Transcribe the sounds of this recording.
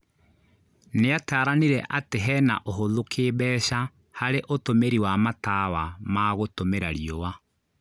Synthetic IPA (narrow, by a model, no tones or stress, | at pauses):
neataːɾaniɾɛʔateɦɛna̰ʔoɦoðokʰeːβɛːɕa | haɾeʔotomeɾiwamatawamaɣotomeɾaɾiɔwa